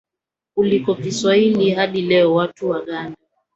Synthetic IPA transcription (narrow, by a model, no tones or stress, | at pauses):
kulikɔkiswailihaɗilɛɔwatuwaɠanda